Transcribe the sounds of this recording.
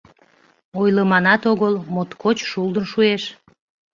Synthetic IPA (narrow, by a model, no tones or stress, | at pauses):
ojləmɑnɑt̪oɣəlˠmot̪kʰot͡ɕʃulˠd̪ənʃueʃ